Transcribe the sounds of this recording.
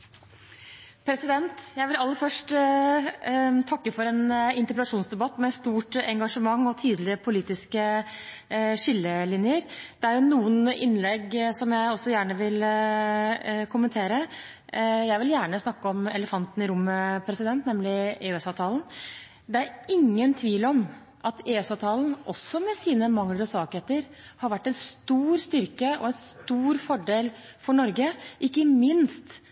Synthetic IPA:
pʰɾɛsɪd̪ɛnt̪jæɪʋɪlɑlːəfœʂʈ | t̪ʰɑkːəfɔɾɛnɪnt̪əpəlɑʂuːnsd̪ɛbɑt̪ːmɛst̪uːʈɛŋɡɑʂəmɑŋːɔt̪ʰiːd̪lɪəpʰʊliːt̪ɪskə | ʂɪlːəlɪnjəɾd̪̥ɛæɾjʊnuːənɪnlɛɡsɔmjæɪɔsːɔjæːɳəʋɪl | kʰʊmənt̪ʰeːɾə | jæɪʋɪljæːɳəsnɑkːəɔmɛ̰ləfɑnt̪n̩ɪɾʊmːəpʰɾɛsɪd̪ɛnt̪nɛmlɪeːsɑːʋt̪ʰɑːln | d̪ɛæɾɪŋːənt̪ʰʋiːlɔm | ʔɑt̪eːʉsɑːʋt̪ʰɑːln̩ʔɔsːɔmɛsiːnəmɑŋlɔsɑːkheːt̪əɾhɑɾʋæʈːɛnst̪uːɾst̪ʏɾkəɔ̰ɛnst̪uːɾfɔɖeːlfɔɳɔɾɡəʔɪkːəmɪnst̪

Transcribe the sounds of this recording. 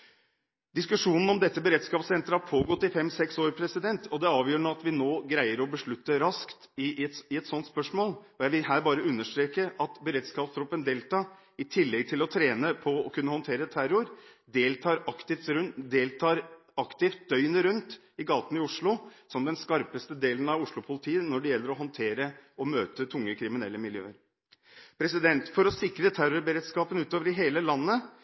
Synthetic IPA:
d̪ɪskʉʂuːnn̩ɔmd̪ɛt̪ːəbəɾɛt̪skɑːpsɛnt̪ɾəhɑɾpʰoːɡɔt̪ːɪfɛmsɛksoːɾpʰɾɛsɪd̪ɛnt̪ʰɔd̪ɛɑːʋjøːɾɳoːɑt̪ʋɪnoːɡɾæɪəɾɔbəʂɭʉt̪ːəɾɑskt̪ɪɛt̪ɪɛt̪sɔnt̪spœʂmoːlɔjæɪʋɪlhæːɾbɑːɾəʉnːəʂt̪ɾeːkəʔɑt̪bəɾɛd̪skɑːpst̪ʰɾɔpːənd̪eːlt̪ʰɑː | ɪt̪ʰɪlːɛɡ̚t̪ʰɪlɔt̪ʰɾeːnəpʰɔɔkʰʉnːəhɔnt̪ʰeːɾət̪ʰæɾʊɾ | d̪eːlt̪ʰɑːɾɑkt̪ɪft̪ɾʉnd̪eːlt̪ʰɑːɾ | ɑkt̪ɪft̪̚d̪œʏnəɾʉnt̪ | ɪɡɑːt̪nɪʊʂɭʊsɔmd̪ɛnskɑɾpəst̪əd̪eːlənɑʋʊʂɭʊpʰʊlɪt̪ʰiːənɔɖɛjɛlːəɾɔɦɔnt̪ʰeːɾəɔmøːt̪ət̪ʰʊŋːəkʰɾɪmɪnɛlːəmɪljø̰ːəɾ | pʰɾɛsɪd̪ɛnt̪fɔɾɔsɪkɾət̪ʰæɾʊɾbəɾeːd̪skɑːpənʉːt̪oːʋəɾɪɦeːləlɑnːə

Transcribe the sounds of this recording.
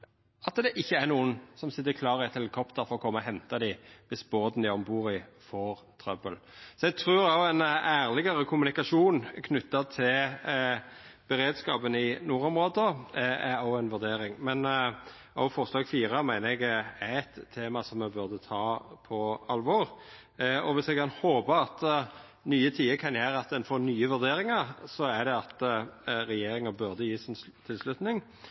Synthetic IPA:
ɑt̪d̪ɛʔɪçːəæʁnuːənsɔmsɪt̪ːəkʰlɑːɾɪæɪt̪hɛləkʰɔpt̪əɾfɔɾɔkʰɔmːəɦɛnt̪ɑd̪ɪʋɪsboːd̪nd̪æɔmbuːɾɪfoːɾ | t̪ʰɾœbəlsɔɛɡ̚t̪ʰɾʉːɾɑʊɛnæːʁlɪɡɑɾəkʰʊmʉnɪkɑʂuːnkʰnʉt̪ːɑt̪ʰɪl | b̥əʁeːd̪skɑːpənɪnuːɾɔmʁoːd̪əæɑʊɛnʋʉʁd̪eːɾɪŋmɛn | ɔʊfɔslɑːɡfiːɾəmæɪnəɛɡæɛt̪ʰːeːmɑsɔmːɛbʉʁd̪ət̪ʰɑːpʰɔɑlʋɔʁ | ɔʋɪsɛɡ̚kʰɑnhoːbəɑt̪ | nyːət̪ʰiːəɾkʰɑnjæːɾəɑt̪̚d̪ɛnfoɾnyːəʋʉʁd̪eːɾɪŋɑɾsɔæɾd̪ɛɑt̪ɾɛjeːɾɪŋəbʉʁd̪əjiːsnt̪ʰɪlslʉt̪nɪŋ

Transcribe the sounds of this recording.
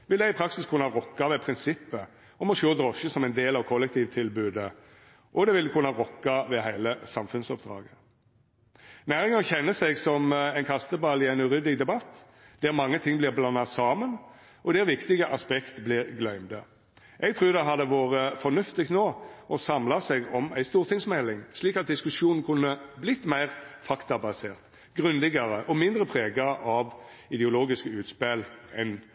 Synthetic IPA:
ʋɪlɛɪɡɪpʰɾɑksɪskʰʉnɑʁɔkːɑʋɛpʰɾɪnsɪpːə | ɔmɔsøːd̪ɾɔʃəsɔmɛɪnd̪eːlɑʋkʰɔlːɛk̚t̪ʰiːʋt̪ʰɪlbʉːd̪ə | ʔɔd̪ɛʋɪlkʰʉnːəʁɔkːɑʋɛɦæɪləsɑmfʉnsɔp̚d̪̥ɾɑ̰ːɡə | næːɾəŋɡɑŋçɛnːəsɛɡsɔmæɪnkʰɑst̪əbɑlɪæɪnʉʁʏd̪ɪɡd̪ɛbɑt̪ː | d̪̥æɾmɑŋːət̪ʰɪŋːblɪʁblɑnːɑsɑːmən | ʔɔd̪ɛɾʋɪkt̪ɪɡəʔɑspɛkt̪blɪʁɡlœʏmd̪ə | ʔɛɡt̪ʰʁʉːʁd̪ɛɦɑd̪əʋoːʁəfɔnʉft̪ɪkt̪noːʔɔsɑmlɑsɛɡɔmæ̰ɪst̪uːʁt̪ʰɪŋsmɛlːɪŋsliːkɑt̪̚d̪ɪskʉsjuːnn̩kʰʊnːəblɪt̪ːmæɪʁfɑkt̪ɑbɑsḛːʁt̪ | ɡʁʉnd̪ɪɡəʁəʔɔmɪnd̪ɾəpʰʁeːɡəɑʋɪd̪ɛʊloːɡɪskəʉːt̪spɛlɛn

